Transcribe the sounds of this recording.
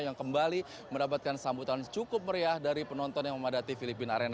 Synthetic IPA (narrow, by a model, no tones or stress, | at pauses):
jaŋkəmbali | məndapat̪̚kansambut̪ant͡ʃukʊp̚məɾiahdaɾipənɔnt̪ɔnjaŋməmadat̪ifilipɪnaɾen